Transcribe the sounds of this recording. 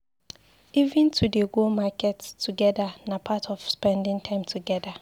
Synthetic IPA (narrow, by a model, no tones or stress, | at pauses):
ivɪ̃ntʰudeɡolmakɛttʰːuɡɛdanapʰatʰɔfspɛ̃ndɪ̃ŋtʰãɪ̃mtʰuɡɛda